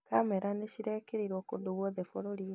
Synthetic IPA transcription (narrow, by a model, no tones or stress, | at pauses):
kamɛɾaneɕiɾekeɾiɾwɔkodoβwɔðefoɾoɾi